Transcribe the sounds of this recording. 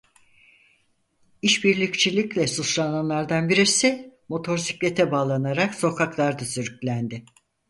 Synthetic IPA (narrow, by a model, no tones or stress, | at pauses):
iʃbiɾlʲict͡ʃʰilʲiclʲɛsut͡ʃlˠananlˠaɾd̪anbiɾiɾsɛmo̞t̪ʰo̞ɾsi̥clʲe̞t̪ʰɛbaːlˠanaɾakso̞kʰaklˠaɾd̪asyɾycʲlʲænd̪ɪ